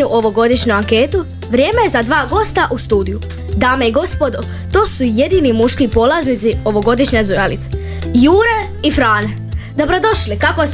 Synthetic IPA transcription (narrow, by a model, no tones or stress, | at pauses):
uʔo̞ʋo̞ɡo̞d̪iʃɲuaŋke̞ːt̪u | ʋɾje̞ːme̞jezad̪ʋaːɡo̞st̪aʔust̪uːd̪iju | d̪aːmeiɡo̞spo̞d̪o | t̪o̞ːsuje̞d̪iːnimuʃkipo̞lˠaznit̪sio̞ʋo̞ɡo̞d̪iʃɲezujalḭt̪se̥ | juːɾe̞ | ifɾaːne̞ | d̪o̞bɾo̞d̪o̞ʃlikakos